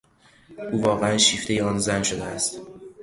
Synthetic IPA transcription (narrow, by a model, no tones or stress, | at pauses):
uːvɒːɣeænʃiːft̪e̞jeɒnzænʃod̪eæst̪